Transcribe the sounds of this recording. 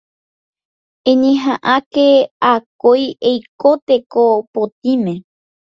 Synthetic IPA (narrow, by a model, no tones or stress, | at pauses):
ẽɲẽɦãʔakeakojejkot̪ekopot̪imẽ̞